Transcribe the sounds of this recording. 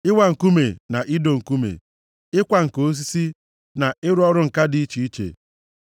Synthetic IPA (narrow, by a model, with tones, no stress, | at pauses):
ɪ˦wa˨ŋ̩˨ku˦me˨na˨ʔi˦do˨ŋ̩˨ku˦mḛ˨ | ɪ˦kʷa˨ŋ̩˨ko˦s̬i˦si˦ | na˨ʔɪ˦ɾʊ˦ɔ˦ɾʊ˦ŋ̩˨ka˦di˨˦i˦t͡ʃi˨i˦t͡ʃḛ˨